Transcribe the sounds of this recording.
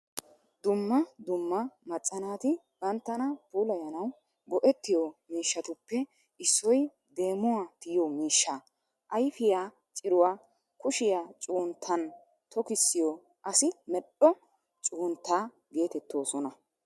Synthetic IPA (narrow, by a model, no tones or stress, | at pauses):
d̪ʊmːɐd̪ʊmːɐmɐt͡sʼːɐnaːt̪ɪ | bɐnt̪ːɐnɐpuːlɐjɐnɐw | ɡɔʔɛt̪ːɪjɔmiːʃːɐt̪ʊpːɛ | ʔɪsːɔj | d̪e̞ːmːʊwat̪ɪjomiːʃːa | ʔɐjfɪjaː | t͡ʃʼɪɾʊwaː | kʊʃɪjaːt͡ʃʼuːnt̪ʰːɐn | t̪ʰɔkɪsːɪjo | ʔɐsɪmɛɗɔ | t͡ʃʼuːnt̪ːaː | ɡe̞ːt̪ɛt̪ːo̞ːsɔnɐ